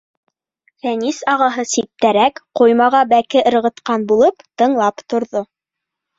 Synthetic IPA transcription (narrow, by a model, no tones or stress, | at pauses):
fænisɑʁɑɦɤsip̚t̪æɾækqujmɑʁɑbækɘʔɤ̆ɾʁɤ̆t̪qɑnbulˠɤpt̪ɤ̆ɴlˠɑpt̪ŏɾðo